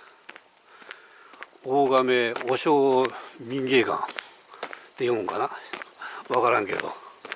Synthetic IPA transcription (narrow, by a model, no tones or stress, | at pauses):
oɡameoɕomiŋɡekã̰ŋ | t̪ejõŋka̰na | wakaɾãŋkḛd̪o̰